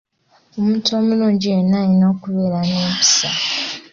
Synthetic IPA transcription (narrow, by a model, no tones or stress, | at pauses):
omutomuloːɲɟienaɲinaokuβeɾaneːpi̥sa